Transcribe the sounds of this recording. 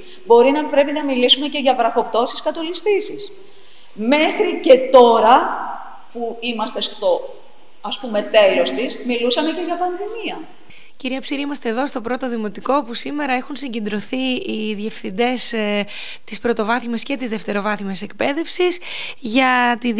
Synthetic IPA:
bo̞ɾinɐpɾe̞pinɐmilisume̞ce̞ʝɐpɾɐxo̞pt̪o̞si̥skɐt̪o̞list̪isis | me̞xɾice̞t̪o̞ɾɐ | puimɐst̪e̞st̪o̞ | ɐspume̞t̪e̞lo̞st̪ismilusɐme̞ce̞ʝɐpɐnðimiɐ | ciɾiɐpsiɾiimɐst̪eːðo̞st̪o̞pɾo̞t̪o̞ðimo̞t̪iko̞pusime̞ɾɐe̞xunsiɲɟe̞nd̪ɾo̞θiiðie̞fθind̪e̞s | t̪ispɾo̞t̪o̞vɐθimesce̞t̪izðe̞ft̪e̞ɾo̞vɐθimese̞kpe̞ðe̞fsisʝɐt̪i

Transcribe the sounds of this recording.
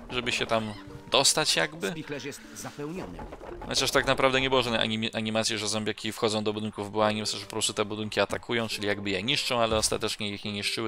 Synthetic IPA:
ʐɛbɘɕɛt̪am | d̪ɔst̪at͡ɕjaɡbɘpʲixlɛʂjɛst̪zapɛwɲɔnɨ̰xɔ̰t͡ɕaʂt̪aknapɾavd̪ɛɲɛbɘwɔʐad̪nɛ̰jʔa̰iʔaɲimat̪sʲjɛʐɛzɔ̃mbʲjakʲifxɔd̪zɔ̃w̃d̪ɔbud̪ɘŋkuvbɔaɲʲimat̪sjaɛʐpɔpɾɔst̪ut̪ɛbud̪ɘŋkʲiat̪akʰujɔ̃w̃t͡ʂɘlʲijaɡbɘjɛɲiʂt͡ʂɔ̃w̃alɛɔst̪at̪ɛt͡ʂɲɛjixɲɛɲiʂt͡ʂɘwɘ

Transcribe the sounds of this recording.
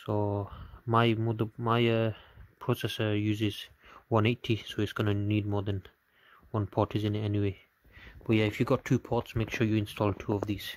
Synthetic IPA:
so | maɪmodəmaɪəpʰɹosɛsəjuːzɪzwʌ̃neɪtʰisoɪtsɡ̥ɔnənid̚mɔːðə̃n | wʌ̃npʰɔˑtʰɪzɪ̃nɛniwe | b̥ʌt̚jaɪfjuɡɔtʰːuːpʰɔˑtsmeɪkʃɔjuɪ̃nstʰɔlˠtʰuɔvðiz̥

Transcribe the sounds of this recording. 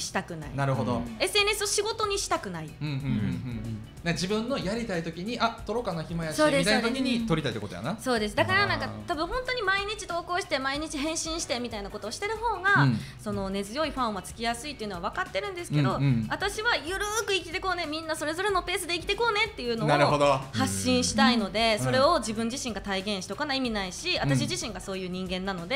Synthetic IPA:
ɕi̥t̪akɯ̟na̰ḭnaɾɯ̟ɦo̞d̪o̞̰e̞sɨe̞ːnesɨo̞ɕiɡo̞t̪o̞ɲ̟iɕi̥t̪akɯ̟naiɯ̃ɯ̃ɯ̃ | ad͡ʑibɯ̟̃nːo̞jaɾʲit̪ait̪o̞kʲiɲ̟iʔat̪o̞ɾo̞kanaçimajasoːd̪eat̪okʲiɲ̟it̪o̞ɾʲit̪ait̪ːekot̪oja̰naso̞ːd̪e̞sɨd̪akaɾanãŋkat̪abɯ̟̃ɦhõ̞nt̪o̞ɲ̟imaiɲ̟it͡ɕi̥t̪o̞ːko̞ːɕi̥t̪emaiɲ̟it͡ɕiɦẽ̞ɕĩɰ̃ɕi̥t̪e̞mʲit̪ainakot̪o̞ːɕi̥t̪e̞ɾɯ̟ɦo̞ːɡaso̞no̞ne̞zɨjo̞iɸãɰ̃βat͡sɨ̥kʲijasɨit̪ːeɯ̟no̞βaβ̞akat̪ːe̞ɾɯ̟̃nd̪e̞sɨ̥ke̞d̪o̞βat̪aɕiβajɯ̟ɾɯːkɯ̟ikʲi̥t̪e̞ko̞ːne̞mʲĩnːaso̞ɾe̞zo̞ɾeno̞pe̞ːsɨd̪e̞ikʲi̥t̪e̞ko̞ːne̞t̪ːe̞jɯ̟ːno̞naoɾɯɦod̪ohaɕːĩɰ̃ɕi̥t̪aino̞d̪e̞so̞ɾe̞o̞d͡ʑibɯ̟̃ɲ̟d͡ʑiɕĩŋɡat̪aiɡẽ̞ɰ̃ɕi̥t̪okanaimʲinaiɕiat̪aɕiʑiɕĩŋɡaso̞ːjɯ̟ːɲ̟ĩŋɡẽ̞nːano̞d̪e

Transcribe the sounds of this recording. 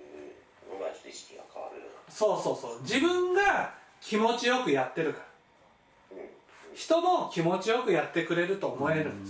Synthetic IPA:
kaso̞ːso̞ːso̞ːd͡ʑibɯ̟̃ŋɡa | kʲʰimo̞t͡ɕijo̞kɯ̟jat̪ːe̞ɾɯ̟kḁɾa | çi̥t̪o̞mo̞kʲimo̞t͡ɕijo̞kɯ̟jat̪ːe̞kɯ̟ɾe̞ɾɯ̟t̪o̞ːmo̞e̞ɾɯ̟̃nd̪

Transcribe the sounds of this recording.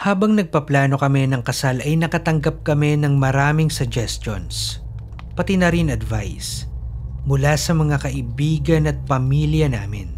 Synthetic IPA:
haːbɐŋnɐɡ̚pɐplaːno̞kɐmɛnɐŋkɐsalɐjnɐkɐt̪ɐŋɡap̚kɐmɛnɐŋmɐɾaːmɪŋsʊɡ̚d͡ʒɛst̪o̰ns | pɐt̪inɐɾinɐd̪va̰js | mʊlasɐmɐŋakɐʔɪbiːɡɐnɐt̪̚pɐmiːljɐnaːmɪ̰n

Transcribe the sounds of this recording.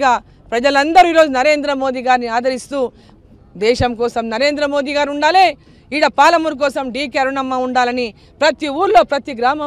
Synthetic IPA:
ɡaː | pɾɐd͡ʒɐlɐnd̪ɐɾuiːɾo̞ːd͡ʒunɐɾe̞ːnd̪ɾɐmo̞ːd̪iɡaːɾniaːd̪ɐɾist̪uː | d̪ɛːʃɐmkɔːsɐmnɐɾe̞ːnd̪ɾɐmoːd̪iɡaːɾuɳɖaːleː | iɽɐpaːlɐmuɾk̬ɔːsɐmɖiːkeɾunɐmːɐuɳɖaːlɐni | pɾɐt̪iuːɾlo̞ːpɾɐt̪iɡɾaːmɐ

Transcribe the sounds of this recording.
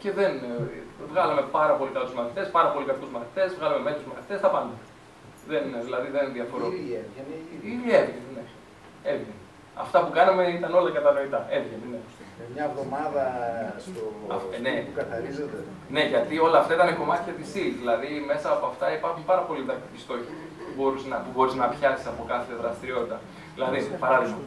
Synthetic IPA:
ce̞ðe̞nvɣɐlɐme̞pɐɾɐpo̞likɐluzmɐθit̪e̞spɐɾɐpo̞likɐkuzmɐθi̥t̪e̞zvɣɐlɐme̞me̞t̪ɾuzmɐθi̥t̪est̪ɐpɐnd̪ɐ | ðe̞nðilɐðiðenðiɐfo̞ɾoevniievʝɐnne | evʝene | ɐ̰ft̪ɐpukɐnɐme̞it̪ɐno̞lɐkɐt̪ɐno̞it̪ɐe̞vʝenenemɲɐvðo̞mɐðɐst̪o̰nekɐθɐɾizod̪e | ne̞ʝɐt̪io̞lɐːft̪ɐit̪ɐneko̞mɐt̪içɐt̪isilðilɐðime̞sɐːpoɐft̪ɐipɐɾxumpɐɾɐpo̞liðɐkt̪cist̪o̞çipubo̞ɾusnɐpubo̞ɾiznɐpçɐsi̥sɐpo̞kɐθɐðɾɐst̪iɾio̞t̪it̪ɐ | ðilɐðipɐɾɐðiɣmɐ

